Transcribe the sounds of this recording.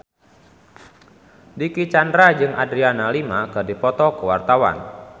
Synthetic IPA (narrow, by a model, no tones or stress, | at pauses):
dikit͡ʃandɾad͡ʒɨŋʔadɾianalimakɨdipɔt̪ɔkəwa̰rt̪awa̰n